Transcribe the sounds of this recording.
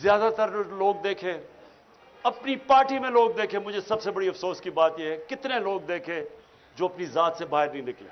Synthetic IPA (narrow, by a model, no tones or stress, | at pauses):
zjaːd̪at̪əɾloːɡ̚d̪eːkʰẽː | ɐpnipaːɾʈimẽloːɡ̚d̪eːkʰẽmʊd͡ʒʱesɐbsebɐɽiɐfsoːskibaːt̪jeɦɛkɪt̪neloːɡd̪eːkʰẽː | d͡ʒoːɐpnizaːt̪sebaːɦɪɾnĩnɪklḛː